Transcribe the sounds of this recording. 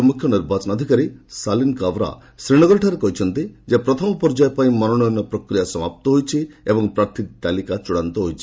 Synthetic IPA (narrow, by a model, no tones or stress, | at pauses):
mukʰjɔniɾbat͡ʃɔnɔd̪ʱikaɾesalinkabɾa̰ | sɾiɽ̃ɔɡɔɾiʈʰaɾekɔɦit͡ʃʰɔnt̪id͡ʒeapɾɔt̪ʰɔmɔpɔɾd͡ʒajepaĩmɔnɔnɔjɔnɔpɾɔkɾijasɔmap̚t̪ɔɦojt͡ʃʰiebɔŋpɾaɾt̪ʰid̪t̪alikat͡ʃuɽant̪ɔɦojt͡ʃʰi̥